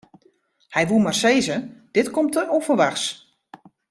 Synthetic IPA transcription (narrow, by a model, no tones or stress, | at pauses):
hɛjʋumarsejzəd̥ɪtkɔmtəɔfəʋaxs